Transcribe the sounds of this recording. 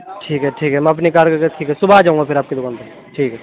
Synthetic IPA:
ʈʰiːkɦɛʈʰiːkɦɛmɛ̃ɐpnikaːɾkekeʈʰiːkɦɛsʊbaːd͡ʒaːũŋɡapʰɪɾaːp̚kelʊɡaːnt̪e | ʈʰiːkɦɛː

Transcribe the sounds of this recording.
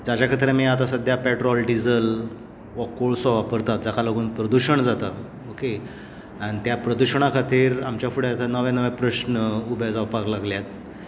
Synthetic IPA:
d͡zat͡ɕakʰət̪̬ɾemiat̪asəd̪ʱjapeʈɾɔlɖid͡zəl | ʋɔkoɭsɔʋapəɾt̪at̪̚d͡zakʰaloɡuːnpɾəd̪uɕəɳd͡zat̪a | oke | aɽ̃it̪japɾəd̪uɕəɳ̃akʰat̪iːɾamt͡ɕjafuɽeat̪anəʋẽnəʋẽpɾəɕnəubad͡zaʋpaklaɡljat̪̚

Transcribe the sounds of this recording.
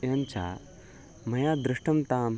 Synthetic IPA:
jant͡ɕa̰ | mɐjad̪ɾiʂʈɐmt̪am

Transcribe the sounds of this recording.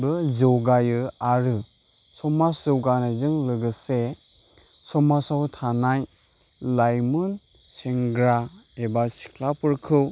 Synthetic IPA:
bɯzɔwɡajɯaɾɯ | sɔmaszɯwɡanazɯŋlɯɡɯse | sɔmasawtʰanaj | lajmun | seŋɡɾa | ebasi̥kʰlapʰɯɾkʰɯw

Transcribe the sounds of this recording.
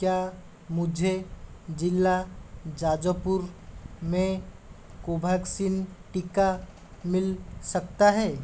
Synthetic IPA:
kja | mʊd͡ʒʱed͡ʒɪlːad͡ʒaːd͡ʒəpʊɾmẽ | koːbʱəksinʈɪka | mɪlsək̚t̪aɦɛː

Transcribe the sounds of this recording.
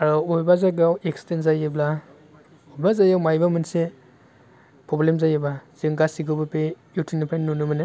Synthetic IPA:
aɾɔujbazaɡawekstenzajebla | ujbazajawmajbamɯnse | pʰɾɔblemzajebaz̥iŋɡasiɡɯbapejutʰinipʰajnnunumane

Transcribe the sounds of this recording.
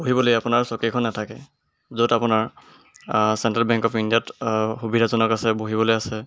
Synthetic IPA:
boɦibɔlojapʊnaɹsɔkekʰɔnːɛtʰakɛ | zodapʊnaɹ | sɛntɹalbɛŋkɔpʰindijatxubidʱazɔnɔkasɛboɦibɔlojasɛ

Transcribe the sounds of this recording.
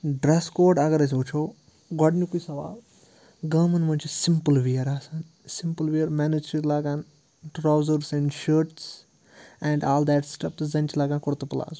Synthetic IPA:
ɖɾɛskoːɖɐɡɐɾɐs̬ut͡ʃʰoː | ɡɔɖnʲukuisɐʋa̰ːl | ɡɐmɐnmɐnʲt͡ʃʰisimpəlʋiɐɾaːsaːn | simpəlʋiːɐɾmɛːnid͡ʒiɾlaːɡãːn | ʈɾaːwzəɾsɛ̃ɳɖʃəːɾʈs | ɛ̃ɳɖaːld̪ɛʈsʈɐpzɐ̃nʲt͡ʃilaːɡãːkʊɾt̪upɐla̰ːzu

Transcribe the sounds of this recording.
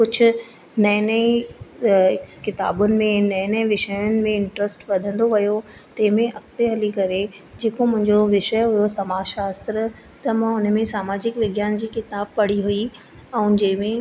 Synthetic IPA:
kʊd͡ʑʰʱʊ̆ | nɐnəi | kɪt̪a̰ːbʊnɪ̆mẽnɐɪnəʋɪʃəjʊnɪ̆mẽɪɳʈɾəsʈʋɐd̪ʱə̃nd̪oʋɐjo | t̪ɐ̃ɦɪ̃mẽʔɐkt̪eɦɐlikɐɾe | d͡ʑeːkomʊ̃ɦɪ̃ɲd͡ʑoʋɪʃəjɦʊjosɐmaːʃaːst̪ɾə | t̪ɐmãʊnmẽsaːmaːd͡ʑɪkʋɪɡjaːnd͡ʑiːkɪt̪aːb̚pɐɽ̤iɦʊi | ɛ̃ũd͡ʑɐ̃ɦɪ̃mẽ

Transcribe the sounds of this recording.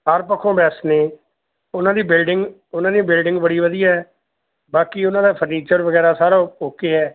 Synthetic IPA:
ɦaɾpəkʰːõːbɛːsneː | ʊnãːd̪iːbɪlɖɪŋɡ | ʊnãːd̪iːbɪlɖɪŋɡbəɽiːʋəd̪iːaːɛː | baːkiːʊnãːd̪aːpʰəɾniːt͡ʃəɾʋəɡɛːɾaːsaːɾaɦoːkeːɛː

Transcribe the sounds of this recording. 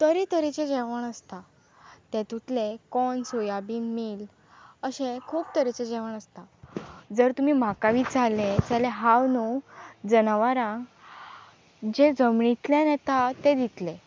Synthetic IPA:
t̪əɾit̪əɾit͡ɕed͡ʑeʋəɳəst̪a | t̪ẽt̪ut̪lekɔnsojabiːmiːl | əɕẽkʰuːp̚t̪əɾit͡ɕed͡ʑeʋəɳ̃əst̪ad͡zəɾt̪um̤iːm̤akaʋiːt͡salẽd͡zaleɦawnud͡zənaʋaɾãɡ | d͡ʑed͡zəmɳit̪ljanet̪at̪ed̪it̪le

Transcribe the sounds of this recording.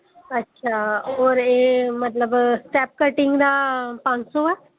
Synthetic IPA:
ətːʃʰaːɔːɾeːmət̪ləbsʈɛːp̚kəʈɪ̃ŋɡd̪aːpə̃nd͡ʒsoːɛː

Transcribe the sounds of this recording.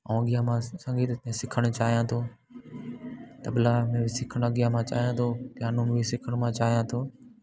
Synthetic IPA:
ɔ̃ːɡijamãsɐ̃ŋɡʱit̪ẽsɪkʰəɽ̃ʊt͡ɕaːɦijãt̪ʰoː | t̪ɐblamẽbɪsɪkʰəɽ̃ɔɡɪjamãt͡ʃa̰ːɦijãːt̪ʰoːt̪ɪjaːnõmẽbɪsɪkʰəɽ̃mãːt͡ʃaːɦijãːt̪ʰoː

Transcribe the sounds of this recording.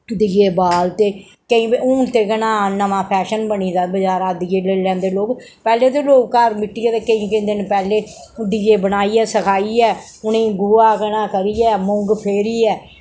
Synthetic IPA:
d̪iːeːbaːlt̪eː | kəĩːʊːnt̪eːɡənãːnəmãːpʰɛːʃənbəniːd̪aːbəd͡ʒaːɾãːd̪ɪjeːleːlɛ̃ːnd̪eːloːk | pɛːleːt̪̬eːloːkkəɾmɪʈːiːɛːt̪eːkəĩːkəĩːd̪ɪnpɛːleː | d̪iːeːbənaːiːɛːsəkʰaːiːɛː | ʊnẽːɡuːaːkənãːkəɾiːɛːmʊŋɡpʰeːɾiːɛː

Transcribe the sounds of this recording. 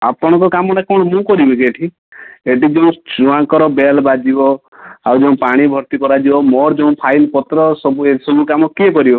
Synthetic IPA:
a̰pɔɽ̃ɔ̃ŋkɔkamɔʈakʰɔɽ̃ɔmũkɔɾibekeʈʰi | eʈid͡ʒeũd͡ʒũãŋkɔɾɔbelbad͡ʒibɔ | awd͡ʒeũpaɽ̃ibʱɔɾt̪ikɔɾad͡ʒibɔmɔɾd͡ʒeũpʰailpɔt̪ɾɔsɔbuesɔbʱukamɔkiekɔɾibɔ

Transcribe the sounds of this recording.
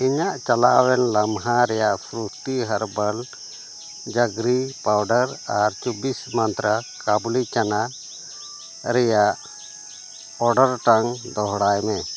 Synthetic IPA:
iɲaʔt͡ʃalawɛnlamɦaɾɛjaʔpʰɾut̪iɦaɾbəl | d͡ʒaɡɾipawɖəɾaɾt͡ʃubismant̪ɾakablit͡ʃana | ɾɛjaʔ | ɔɖəɾʈaŋd̪ɔɦɽajmɛ

